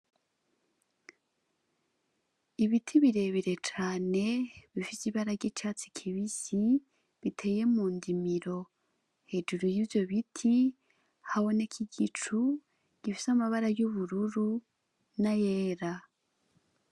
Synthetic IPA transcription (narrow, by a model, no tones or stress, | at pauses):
iβitʰiβiɾe̞βiɾe̞t͡ʃaːne̞βifisiβaɾaɟet͡ʃaːt͡si̥kʰiβisi | βitʰe̞ːje̞muːndimiɾo̞ | he̞ːd͡ʒuɾujivjo̞βitʰi | haβo̞ne̞kʰiɡit͡ʃu | ɟ̥ifi̥samaβaɾajuβuɾuɾu | najeːɾa